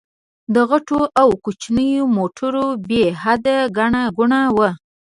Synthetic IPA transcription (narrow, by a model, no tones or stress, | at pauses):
d̪əɣaʈoʔawkut͡ʃnəjomoʈʰəɾobehad̪aɡaɳaɡʊɳawa